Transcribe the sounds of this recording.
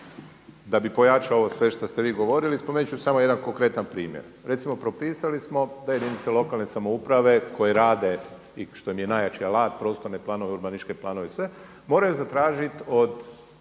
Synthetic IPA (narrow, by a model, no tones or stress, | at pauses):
d̪abipo̞jat͡ʃaoosʋe̞ʃt̪ast̪e̞ʋiːɡo̞ʋo̞ɾilispomenut͡ʃusamojed̪anko̞ŋkɾe̞t̪anpɾiːmjḛɾ | ɾe̞t̪simo̞pɾo̞piːsalismo̞d̪ajed̪init̪selˠo̞kalˠnesamo̞upɾaʋe̞kʰo̞jeɾaːd̪e̞ | iʃt̪o̞imjenajat͡ʃialˠaːt̪pɾo̞ːst̪o̞ɾne̞plˠaːno̞ʋeuɾbaniʃke̞plˠaːno̞ʋesʋe̞ | mo̞ːɾajuzat̪ɾaːʒit̪o̞d̪